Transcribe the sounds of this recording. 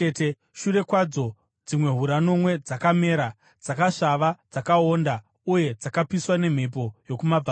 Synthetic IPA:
ete | ʃuɾe̞kwad͡zo̞ | d͡zimwe̞ɦuɾano̞mwe̞d͡zakame̞ːɾa | d͡zakaʂaʋad͡zakao̞nda | uje̞d͡zakapiswane̞m̤e̞p̬o̞jo̞kumab͡va

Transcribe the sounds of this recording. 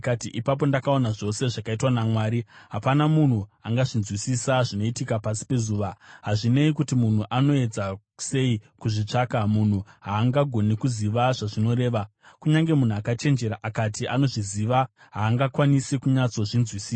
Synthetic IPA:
katiʔipap̬o̞ndakao̞naʐo̞se̞ʐakaitwanamwaːɾiɦapanamun̤uaŋɡaʐinzwisisaʐino̞itikapasi̥pe̞zuːʋaɦaʐine̞ikutimun̤uʔano̞e̞d͡za | se̞ikuʐit͡ʂaːkamun̤uɦaːŋɡaɡʱo̞nikuziʋaʐaʐino̞ɾe̞ːʋa | kuɲaŋɡe̞mun̤uakat͡ʃe̞nd͡ʒe̞ɾaʔakatiʔano̞ʐiziʋa | ɦaːŋɡakwanisikuɲat͡so̞ʐinzwisiːs

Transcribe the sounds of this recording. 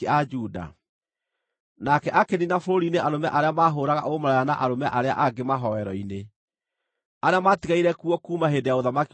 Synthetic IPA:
ad͡ʒuːda̰ | nakɛʔakeninafoɾoɾineʔaɾomɛʔaɾeamaːɦoːɾaɣa̰ʔomaɾaɾanaʔaɾomɛʔaɾea̰ʔaɡemaɦɔwɛɾɔine | aɾeamatiɣaiɾɛkuɔkuːmaɦendejaoðamaki

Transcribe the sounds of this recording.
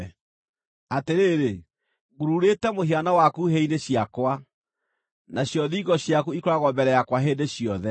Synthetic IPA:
ateɾeːɾe | ɣuɾuɾetɛmoheanawakuɦeineɕjakwa | naɕjɔðiːɣɔɕjakuikoɾaɣɔmbɛɾɛjakwaɦeːndeɕjɔðɛ

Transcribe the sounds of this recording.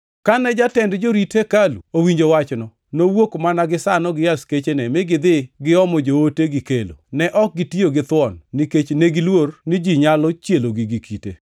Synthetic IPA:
kanɛd͡ʒatɛndd͡ʒoɾitʰekalṵowiɲd͡ʒowat͡ʃnɔ | nowokmanaɡɪsanɔɡɪjasket͡ʃenɛmɪɡɪd̪ɪɡɪɔmɔd͡ʒooteɡɪkelo̰nɛʔɔk̚ɡɪtioɡɪt̪wɔnːiket͡ʃneɡɪlwornid͡ʒiɲalɔt͡ʃjeloɡiɡikʰitḛ

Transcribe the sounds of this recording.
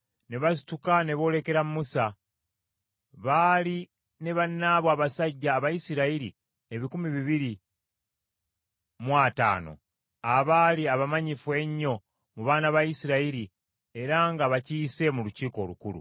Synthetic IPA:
ne̞βasi̥tukane̞βo̞ːle̞ke̞ɾammusa | βaːli | ne̞βanːaβwaːβasaɟːaːβajisiɾaiɾi | e̞βikumiβiβiɾi | mwata̰ːno̞̰ | aβaːliaβamaɲifuwe̞ɲːo̞ | muβaːnaβajisiɾaiɾi | e̞ɾaŋɡaβaciːse̞muluciːko̞ːlukulṵ

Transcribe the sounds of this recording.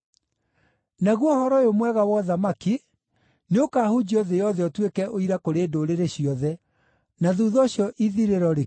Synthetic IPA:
naɣwɔhɔɾɔjomwɛɣawɔðamaki | neokaːhud͡ʑiɔðɛjɔðɛɔtwekɛʔoiɾakoɾeːdoɾeɾeɕjɔðɛ | naðuːðɔɕjɔʔiðiɾeɾɔɾe

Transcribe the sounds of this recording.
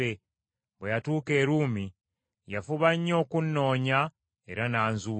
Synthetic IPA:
e | βwejatuːke̞ːɾuːmi | jafuβaɲːo̞ːkunːo̞ːɲa | e̞̰ɾanaːnzu

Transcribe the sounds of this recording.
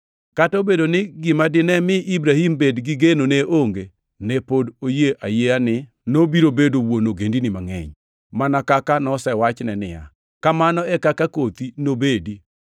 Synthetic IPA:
katɔbedonɪɡɪmadɪnɛmɪʔibɾahimbedɡɪɡenoneʔoŋɡe | nɛpodojeʔajeanɪ | nobiɾobedowonoɡendinɪmaŋɛ̰ɲ | manakakanɔsɛwat͡ʃnɛnɪ̰ja̰ | kamanɔɛkakakot̪inobedi

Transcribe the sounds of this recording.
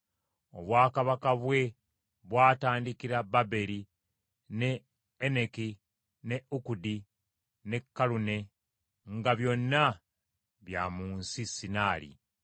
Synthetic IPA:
o̞̰βwaːkaβakaβwe̞ | βwaːtaːndikiɾababe̞ɾi | ne̞ː | neki | ne̞ukudi | ne̞kːalune̞ | ŋɡaβjo̞nːa | βja̰ːmuːnsisinaːlḭ

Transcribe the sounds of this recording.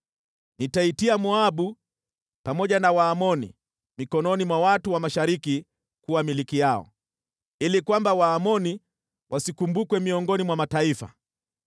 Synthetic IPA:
nitaitiamuaɓu | pamɔʄanawaːmɔnḭ | mikɔnɔnimwawatuwamaʃaɾiki | kuwamilikijaɔ̰ | ilikwambawaːmɔni | wʔasikumbukwɛmiɔŋɡɔnimwamataifa̰

